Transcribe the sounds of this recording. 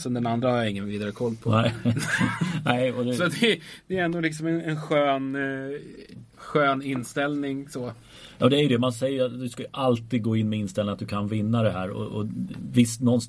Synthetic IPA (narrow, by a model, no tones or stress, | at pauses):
sɛnd̪ɛnand̪ɾahajaɪŋːənviːd̪aɾəkʰɔlːpʰɔɛɪ | nɛɪɔd̪ɛsɔt̪d̪ɛd̪̥ɛɛnd̪ʊlɪksɔmɛnɛnɧøːn | ɧøːnɪnːst̪ɛlnɪŋsɔ | jɑ̰ːd̪ɛæɾjəd̪ɛmansɛjːəɾat̪d̪ɵskajʔalt̪iːd̪̚ɡoːɪnːmɛɪnst̪ɛlɪŋat̪d̪ɵkʰanvɪnːad̪ɛɦæːɾɔ̰ɔ̰vɪst̪nɔns